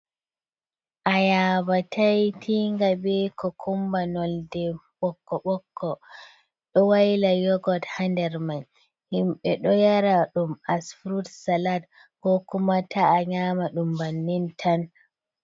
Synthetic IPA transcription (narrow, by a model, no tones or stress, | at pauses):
ʔajabatʰajtʰiŋɡabɛkɔkʰumbanɔldɛ | ɓɔkːɔɓɔkʰːɔ | ɗɔwajlajɔɡɔthandɛɾman | himɓɛɗɔjaɾaɗumasfɾudsalad | kɔkumatʰaːɲamaɗumbanːintʰan